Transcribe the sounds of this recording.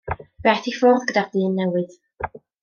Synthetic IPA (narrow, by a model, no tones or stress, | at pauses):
bɛθifɔrðɡədadɨːnːɛwɨð